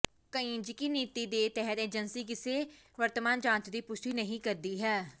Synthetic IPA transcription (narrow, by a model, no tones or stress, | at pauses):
kəĩːd͡ʒɪkiːniːt̪iːd̪eːt̪ɛɦəɾeːd͡ʒənsiːk̬ɪseː | ʋəɾt̪əmaːnd͡ʒãːt͡ʃd̪iːpʊst̪iːnəɦĩːkəɾd̪iːɦɛː